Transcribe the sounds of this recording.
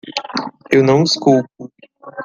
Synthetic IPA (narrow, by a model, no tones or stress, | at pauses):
ewnɐ̃w̃ɪskuwpʊ